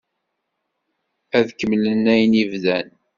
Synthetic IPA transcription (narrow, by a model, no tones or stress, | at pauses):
æðkːəmlənːæjnivðæn